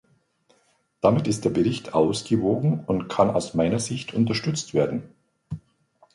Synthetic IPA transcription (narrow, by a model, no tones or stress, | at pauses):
d̥amɪtɪstd̥eːɐbəʁɪçtʰʔaʊsɡ̥əvoːɡŋ̩ʊntkʰana̰ʊsmaɪnɐzɪçtʰʊntɐʃtʏt͡stv̥eːɐdn̩